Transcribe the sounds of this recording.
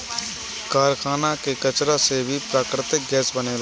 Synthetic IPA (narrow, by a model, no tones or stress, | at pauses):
kaːɾkʰaːnakekət͡ʃɾasebʱipɾaːkɾɪt̪ɪk̚ɡɛːsbənel